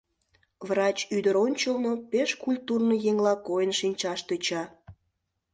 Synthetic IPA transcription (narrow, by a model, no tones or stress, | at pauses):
vrɑt͡ɕyd̪əɾonʲt͡ɕəlˠnopeʃkulʲt̪urnojeŋlɑkojənʃinʲt͡ɕɑʃt̪øt͡ɕɑ